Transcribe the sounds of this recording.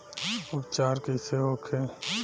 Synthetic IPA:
ʊpt͡ʃaːɾkeseɦoːkʰe

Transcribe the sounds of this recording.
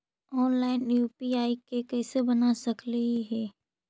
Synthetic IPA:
ɔːnlaːɪnjuːpiaːikekɛːsebɐnasɐkləɦiɦɛː

